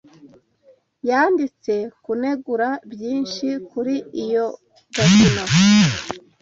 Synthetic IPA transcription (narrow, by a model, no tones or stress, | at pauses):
jaːndit͡se̞kune̞ɡuɾabjiːnʃikuɾiijo̞ | bokino